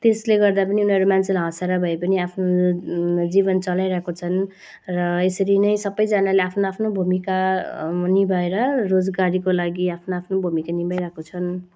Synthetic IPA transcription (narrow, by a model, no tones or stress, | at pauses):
t̪esleɡʌrd̪apʌniunʌɾumant͡sʰelɦʌ̃seɾʌbʱʌepʌniapʰno | d͡zibʌnt͡sʌlajɾʌɦkot͡sʰʌn | rʌesʌɾinʌjsʌbʌjd͡zanaleapʰnoapʰnobʱumika | nibʱʌeɾʌrod͡zɡaɾikolaɡiapʰnoapʰnobʱumikanibajɾʌɦkot͡sʰʌn